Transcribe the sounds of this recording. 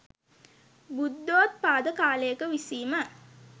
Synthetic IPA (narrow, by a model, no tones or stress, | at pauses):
bud̪ːoːt̪̚paːd̪əkaːlejəkəʋisiːmə